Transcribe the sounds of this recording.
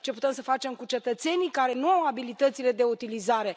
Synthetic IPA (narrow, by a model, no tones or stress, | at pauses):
t͡ʃe̞put̪e̞msəfat͡ʃe̞mkut͡ʃe̞t̪ət̪se̞nikaɾe̞nuawabilit̪ət̪sile̞d̪e̞ut̪ilizaɾe̞